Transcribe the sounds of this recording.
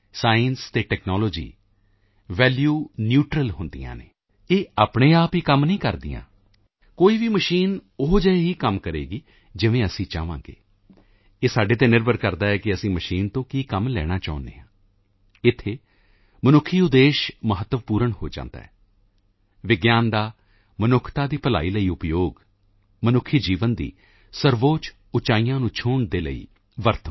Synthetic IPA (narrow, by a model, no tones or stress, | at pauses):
saːjənst̪eːʈɛːknaːloːd͡ʒḭː | ʋɛːljuːnjuːʈɾəlɦʊnd̪ḭjã̰ːnḛː | eːaːpɳeːaːpiːkəmnəĩːkəɾd̪ḭjã̰ː | koːiːʋiːməʃiːnoɦd͡ʒɛeɦiːkəmkəɾḛːɡiː | d͡ʒɪʋẽːəsĩːt͡ʃa̰ːʋã̰ːŋɡḛː | eːsaːɖeːt̪eːnɪɾbəɾkəɾd̪aːɛːkɪəsĩːməʃiːnt̪õːkiːkəmlɛ̰ːɽ̃aːt͡ʃa̰ːʊ̃nd̪ḛːɦãː | ɪt̪ʰːeː | mənʊkʰːiːʊd̪eːʃməɦət̪ːəʋpuːɾəɳho̰ːd͡ʒã̰ːnd̪a̰ːɦɛ̰ː | ʋɪɡjaːnd̪aː | mənʊkʰt̪aːd̪iːpəla̰ːiːləiːʊpjoːɡ | mənʊkʰːid͡ʒiːʋənd̪ḭː | səɾʋoːt͡ʃ | ʊt͡ʃaːiːjãːnũːt͡ʃʰʊːɳd̪eːlə̰ḭː | ʋəɾt̪ʰ